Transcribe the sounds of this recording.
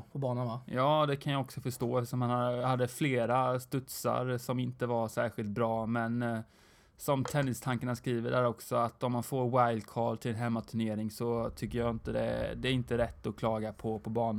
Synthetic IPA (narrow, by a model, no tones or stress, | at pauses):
pʰɔbɑːnanajɑːd̪ɛkʰanjaɔksɔfœʂtoːɛft̪əʂɔmːhanahad̪ːəfleːɾast̪ɵt̪sa̰ɾsɔmɪnt̪əvaɾʂæːɾɧɪlt̪̚bɾɑːmɛn | sɔmt̪ʰɛnːɪst̪ʰaŋkanaskɾiːvəɖæɾɔksɔat̪ɔmːanfoːɾwajlkʰɑ̰ːlt̪ʰɪlɛnɦɛmːat̪ʰɵɳeːɾɪŋsɔt̪ʰʏkːəjaɪnt̪əd̪ɛ̰d̪ɛæɾɪnt̪əɾɛt̪ːɔkʰlɑːɡapʰɔpʰɔbɑːn